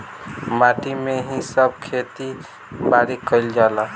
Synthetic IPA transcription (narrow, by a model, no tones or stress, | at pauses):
maʈimeɦisəb̚kʰet̪i | baɾikəɪld͡ʒala